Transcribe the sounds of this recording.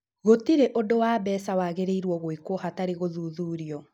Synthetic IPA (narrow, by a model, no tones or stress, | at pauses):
ɣotiɾeʔodowaːbɛːsawaːɣeɾeiɾwɔɣoekwɔɦataɾeɣoðuːðuːɾiɔ